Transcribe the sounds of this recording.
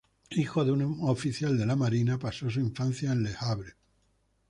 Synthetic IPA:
ixo̞ðeunofiθjald̪e̞lamaɾinapaso̞s̬uiɱfan̟θjaẽnlehaβɾe

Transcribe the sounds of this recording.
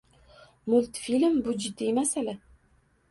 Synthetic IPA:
mʊlˠt̪filmbʊd͡ʒɪd̪ːiemasala

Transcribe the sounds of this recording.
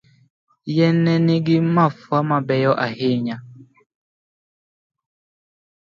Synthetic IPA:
jɛnɛneɡimafwamabɛjɔʔaheɲa

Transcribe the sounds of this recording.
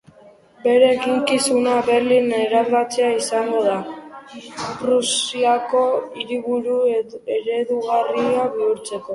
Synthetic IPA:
be̞ɾe̞ːkiŋkisunaβe̞ɾline̞ɾaɾβat͡se̞aisaŋɡo̞ða | prusiako̞iɾiβuɾue̞ɾe̞ðuɣariaβiuɾt͡se̞ko̞

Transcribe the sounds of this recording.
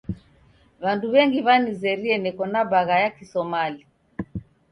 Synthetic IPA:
βanduβɛŋɡiβanizɛɾiɛnɛkɔnaβaɣajakisɔmali

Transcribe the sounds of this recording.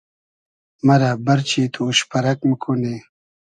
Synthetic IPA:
mɐɾabɐɾt͡ɕit̪ʰuʃpɐɾɐk̚məkʰune

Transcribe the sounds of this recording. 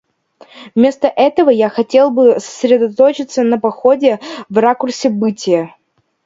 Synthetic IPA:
vmʲe̞st̪əʔɛt̪əvəjaxɐtʲe̞lˠbɨsə̥sʲɾʲɪd̪ɐt̪ot͡ɕɪt̪sənəpɐxodʲɪvrakʊrsʲɪbɨtʲɪjə

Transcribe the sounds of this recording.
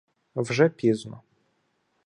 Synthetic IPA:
vʐɛpʲiznʊ̰

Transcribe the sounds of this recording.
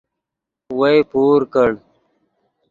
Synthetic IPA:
wɐjpuːɾkəɽ

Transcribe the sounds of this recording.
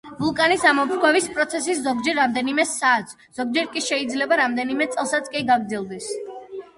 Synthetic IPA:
vulˠkʼanisamɔmpʰɾkʰwɛvispʼɾɔt̪sʰɛs̬iszɔɡd͡ʒɛɾːamd̪ɛnimɛsaːt̪z | z̥ɔɡ̚d͡ʒɛɾkʼiʃɛid̪zlɛbaɾamd̪ɛnimɛt̪sʼɛlˠsat̪sʰkʼiɡaɡɾd̪zilˠd̪ɛs

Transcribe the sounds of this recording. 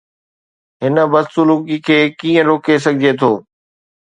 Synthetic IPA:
ɦɪnə̆bɐst̪ʊluːkikʰeːkiːə̃ɾoːkʰes̬ɐɡʱɪd͡ʑet̪ʰoː

